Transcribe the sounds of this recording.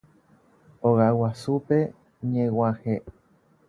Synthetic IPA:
oɣawasupe̞ | ɲẽwãhe

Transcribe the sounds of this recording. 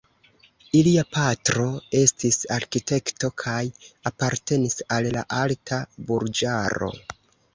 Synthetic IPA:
iliapatɾo̞e̞stisaɾkite̞kto̞kʰajapaɾte̞nisalla̰ʔaltʰabuɾd͡ʒaɾo̞̰

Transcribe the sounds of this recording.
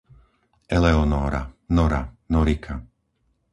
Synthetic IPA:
ʔɛlɛɔnɔːɾa̰nɔɾa̰nɔɾikʰa

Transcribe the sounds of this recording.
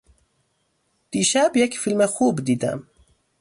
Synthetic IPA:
d̪̥iʃɛbjɛkfilmɛxuːbd̪iːd̪æ̰m

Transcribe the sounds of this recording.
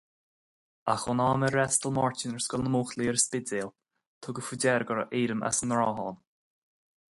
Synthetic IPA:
axɔnaːməɾːɛst̪əlmɔɹtɪnəɹsɡɔlnəmuːxliːəɾspɪdeːl | t̪ʰʊɡəfudɛɾɡəɾəʔeːɾəma̰sənəɹɔːɦɔːn

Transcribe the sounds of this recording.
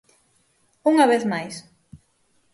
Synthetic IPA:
uŋɐβeθmajs

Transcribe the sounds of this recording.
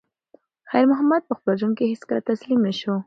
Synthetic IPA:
xajɾmʊɦamad̪̚pəxpəlʒunkehɪskəɾat̪aslimnəʃu

